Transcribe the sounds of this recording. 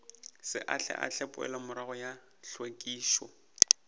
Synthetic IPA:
sɪ̰ʔaɬʰɛ̰ʔa̰ɬʰɛpʼʊɛ̰lamʊɾaɣɔja | ɬwekʼiːʃwɔ̰

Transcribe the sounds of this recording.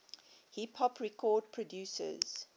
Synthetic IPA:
hipʰhɔpʰɹɛkʰɔːd̚pʰɹɔdjuːsə̰z̥

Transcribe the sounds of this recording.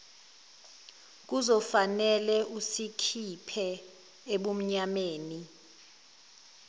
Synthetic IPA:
k̬uzɔfanɛlɛusikʰipʰɛ | eɓum̩ɲameːni

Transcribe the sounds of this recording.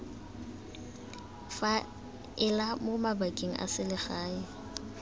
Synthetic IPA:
fa | ɪlamomabakʼeŋ̩ʔa̰sɪlɪχaːɪ

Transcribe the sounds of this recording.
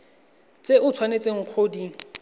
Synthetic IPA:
t͡sʼeʔʊt͡sʰwanet͡sʼeŋ̩q͡χʰodi

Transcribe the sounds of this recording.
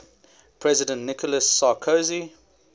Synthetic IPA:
pʰɹɛzɪdə̃ntnɪkɔləsːaːkʰozi

